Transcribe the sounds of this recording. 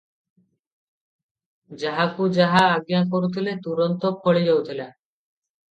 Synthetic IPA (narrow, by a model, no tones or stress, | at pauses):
d͡ʒaɦakud͡ʒaɦaːɡjakoɾut̪ʰilet̪uɾɔnt̪okʰɔɭid͡ʑawt̪ʰila